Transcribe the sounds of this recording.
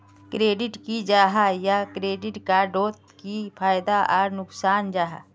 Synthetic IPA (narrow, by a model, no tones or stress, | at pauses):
kɾeːɖɪʈkid͡ʒaːɦajakɾeːɖɪʈkaɖoːt̪̚kipʰaːjd̪aʔɔːɾnʊksaːnd͡ʒaːɦa̰